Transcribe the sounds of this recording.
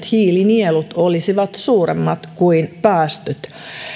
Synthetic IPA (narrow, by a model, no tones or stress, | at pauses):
t̪hiːlinielut̪olisiʋɑt̪suːremːɑt̪kuinpæːst̪øt̪